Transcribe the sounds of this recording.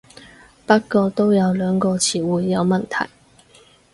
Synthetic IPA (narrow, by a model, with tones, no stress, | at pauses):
pɐ˥t̚kɔː˧t̪o˥wjɐ˨˧wlœː˨˧ŋkɔː˧t͡sʰiː˨˩wuː˨˧jːɐ˨˧wmɐ˨nt̪ʰɐ̰˨˩j